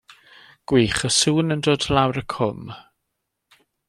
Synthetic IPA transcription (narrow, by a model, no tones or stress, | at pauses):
ɡ̥wiːχəsuːnəndoːdlawɾəkʰʊm